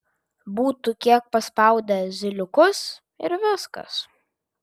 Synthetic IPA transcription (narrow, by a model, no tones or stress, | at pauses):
buːt̪uːkʲiɛk̚pɐspɐˑʊd̪ʲɛzʲɪlʲʊkʊs | ɪɾʋʲɪskɐ̰s